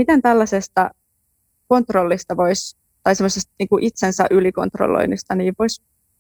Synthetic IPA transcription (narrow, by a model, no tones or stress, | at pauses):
mit̪ent̪ælːɑsest̪ɑ | ko̞nt̪rolːist̪ɑʋois | t̪ɑijsemːˑosest̪niːŋkuʔit̪sensæ̰ʔyliko̰nt̪ro̰lːo̰inːist̪ɑniːʋʋois